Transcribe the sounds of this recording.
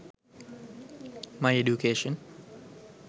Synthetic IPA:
maɪeɖjukʰeːʃə̃n

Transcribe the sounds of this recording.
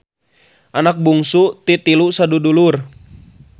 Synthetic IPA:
ʔanak̚buŋsut̪it̪ilusadudulur

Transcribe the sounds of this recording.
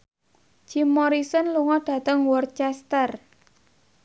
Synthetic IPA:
d͡ʒ̥imːɔɾisɔnluŋɔɖ̥ä̤t̪əŋwɔrt͡ʃɛst̪ər

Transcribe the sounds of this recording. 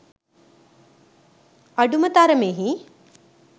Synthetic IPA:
ɐɖumɐt̪aːɾɐmeːɦi

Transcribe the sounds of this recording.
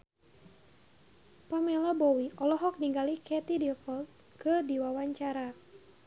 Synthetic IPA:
pamɛlabɔwiʔɔlɔɦɔk̚niŋɡalikɛt̪idilfɔlt̪̚ | kɨdiwawaɲt͡ʃaɾa

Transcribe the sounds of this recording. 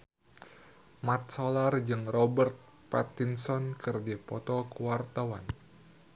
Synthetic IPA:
mat̪̚solard͡ʒɨŋrɔbərt̪̚ | pa̰t̪insɔnkɨrdipɔt̪ɔkuwart̪awan

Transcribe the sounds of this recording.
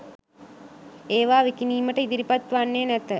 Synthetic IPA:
eːʋaːʋikiniːməʈəid̪iɾipat̪ʋanːeːnæt̪ə

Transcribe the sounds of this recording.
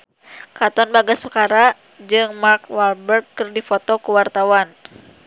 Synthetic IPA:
kat̪ɔnbaɡasukaɾa | d͡ʒɨŋmarkwalbərkːɨrdifɔt̪ɔkuwart̪awan

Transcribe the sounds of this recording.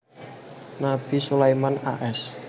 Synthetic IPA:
nab̥i̤sulajmana̰ʔɛs

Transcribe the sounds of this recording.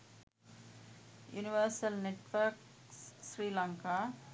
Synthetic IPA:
juniʋəːsəlneʈʋəɾk | sɾiːlãŋka

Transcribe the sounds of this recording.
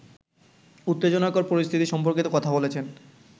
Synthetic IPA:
ut̪ːed͡ʑonakoɾpoɾist̪ʰit̪iʃɔmpoɾkit̪okɔt̪ʰabolet͡ɕʰen

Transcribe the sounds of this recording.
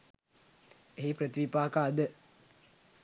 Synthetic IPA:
eɦipɾət̪iʋipaːkaːd̪ə

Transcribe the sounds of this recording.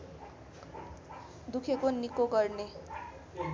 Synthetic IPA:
d̪ukʰekonikoɡʌrne

